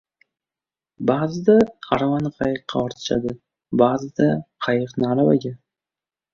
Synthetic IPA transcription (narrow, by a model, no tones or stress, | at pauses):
bazɪd̪aaɾavanɨqʰɑjɨqʰːɑɑɾt̪ʰɪ̥ʃa̰d̪ɪ | baːzɨd̪aqʰɑjɨqnɪaɾavaɡʲa